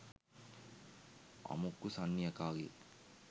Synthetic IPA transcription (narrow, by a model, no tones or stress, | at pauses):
a̰mukːusanːijɐkaːɡe